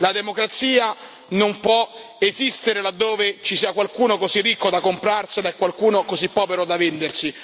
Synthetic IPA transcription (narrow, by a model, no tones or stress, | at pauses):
lad̪emokɾat̪siːa | nompwɔezist̪eɾelad̪ːoːvet͡ʃisiːakwalkuːnokozirːikːod̪akːompɾarsied̪aɛkːwalkuːnokozipːɔːveɾod̪avend̪ersi